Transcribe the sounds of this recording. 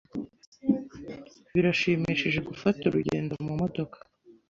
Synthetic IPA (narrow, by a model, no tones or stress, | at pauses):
βiɾaʃiːmiːʃiʒe̞ɡufatuɾuɟe̞̰ːndo̞mumo̞do̞kḁ